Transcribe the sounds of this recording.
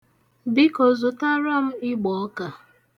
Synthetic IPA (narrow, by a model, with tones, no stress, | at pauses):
bi˦ko˨zʊ˨ta˦ɾɔ˦m̩˦ɪ˦ɡ͡bɔ˨ɔ˦ka˨